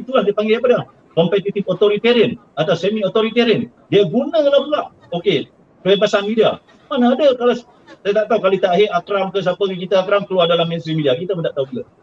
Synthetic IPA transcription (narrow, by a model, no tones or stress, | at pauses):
t̪ulahdiəpaŋɡeapada | kɔmpet̪it̪ifot̪oɾit̪eɾən | at̪ausemiot̪oɾit̪eɾən | diəɡunəkəlapulaʔ | oke | pəepasanmidia̰ | manaːdəkalas | sajat̪aʔt̪aukalit̪aɦeʔakɾamkəs̬apəkik̬it̪əakɾamkəluadalamɛnsimidiakit̪əmənt̪aʔt̪aukit̪a